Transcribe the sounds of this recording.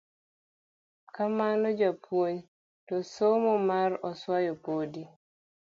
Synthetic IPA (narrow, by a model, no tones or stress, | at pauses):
kamanɔd͡ʒapwoɲ | tɔsomomaɾɔswajɔpodi